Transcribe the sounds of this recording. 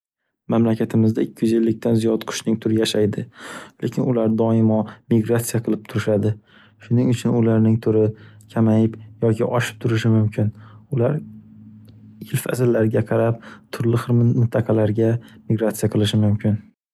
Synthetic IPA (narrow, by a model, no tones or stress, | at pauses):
mamlakʲʰat̪ʰɪmɪzd̪aɪkʲʰːjɪzɪlːɪk̚ʲt̪ʰanzijɒt̪qʰʊ̥ʃnɪŋt̪ʰʊɾɪjaʃajd̪ɪlekʲʰɪnʊlaɾd̪ɒɪmɒmɪɡɾat̪sijaqʰɨlˠɪp̚t̪ʰʊɾɪʃad̪ɪ | ʃʊnɪŋʊt͡ʃʰʊnʊlaɾnɪŋt̪ʰʊɾɪkʲʰamajɪpjɒkʲʰɪʔɒʃɪ̥p̚t̪ʰʊɾɪʃɪmʊmkʲʰɪnʊlaɾ | ɪlfa̰zɪlːaɾɡʲaqʰɑɾap̚t̪ʰʊɾlɪχɨɾmɪnt̪ʰɑqʰɑlaɾɡʲamɪɡɾat̪sijaqʰɨlˠɪʃ̬ɪmʊmkʲɪn